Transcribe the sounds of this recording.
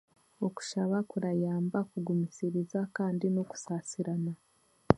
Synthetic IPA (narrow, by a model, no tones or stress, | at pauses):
oku̥ʃaβakuɾajaːmbakuɡumisiɾizakaːndinoku̥saːsiɾana